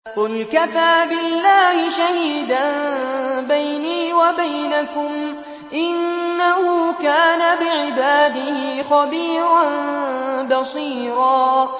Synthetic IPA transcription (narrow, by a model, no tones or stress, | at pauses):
qʊlkafaːbɪlːaːhɪʃahiːd̪an | bajniːwabajnakʊm | ʔɪnːahuːkaːnabɪʕɪbaːd̪ɪhɪxɑbiːɾan | bɑsˤiːɾɑː